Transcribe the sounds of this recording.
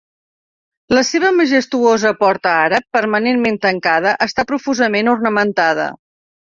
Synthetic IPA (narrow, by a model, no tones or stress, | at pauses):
ləseβ̞əməʒəst̪uozəpɔɾt̪əaɾəpːəɾmənenment̪əŋkað̞əʔəst̪apɾufuzəmenurnəmənt̪að̞ə̰